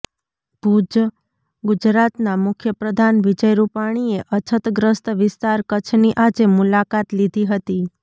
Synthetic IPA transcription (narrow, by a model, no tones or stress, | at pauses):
b̥ʱud͡ʒ | ɡʊd͡ʒɾat̪namʊkʰjəpɾəd̪ʱanʋɪd͡ʒəjɾupaɽ̃ieʔət͡ʃʰət̪ɡɾəst̪ʋɪst̪aɾkət͡ʃʰniʔad͡ʒemulakat̪lid̪ʱiɦət̪i